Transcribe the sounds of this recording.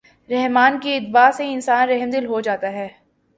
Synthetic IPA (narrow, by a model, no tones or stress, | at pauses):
ɾɛɦmaːnkiɪt̪baːsẽɪnsaːnɾɛɦmd̪ɪlɦod͡ʒaːt̪aɦɛː